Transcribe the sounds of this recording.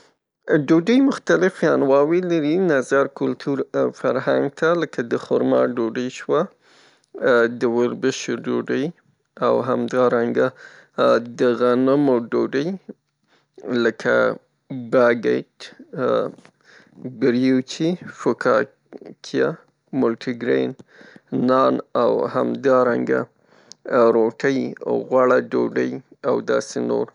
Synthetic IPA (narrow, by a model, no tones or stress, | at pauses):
ɖoɖəjmʊxt̪alɪfjɑnwɑwelaɾinazɑɾkʊlt̪ʰuɾfaɾɦaŋɡ̚t̪ʰaləkʰad̪əxʊɾmɑ̰ɖoɖəjʃwa | d̪əwʊɾbəʃoɖoɖəj | awɦamd̪ɑɾaŋɡa | d̪əɣanamoɖoɖəj | ləkʰa̰ | baɡeʈ | bɪɾjut͡ʃifokʰɑ | kʰija | mʊlʈʰiɡɾennɑnawha̰md̪ɑɾaŋɡa̰ | ɾoʈʰəjaɣwaɽaɖoɖəjawd̪ɑ̰seno̰ɾ